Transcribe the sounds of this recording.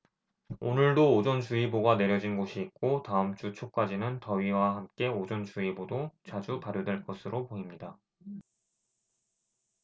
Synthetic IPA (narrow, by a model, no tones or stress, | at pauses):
onɯɭdoːd͡ʑʌnt͡ɕuiboɡane̞ɾjʌd͡ʑinɡoɕʰiːk̚k͈otaɯmt͡ɕ͈ut͡ɕʰok̚k͈ad͡ʑinɯntʌɥiwahamk͈e̞od͡ʑʌnt͡ɕuibodot͡ɕad͡ʑupaɾjodwe̞ɭk͈ʌsʰɯɾʔopoimɲida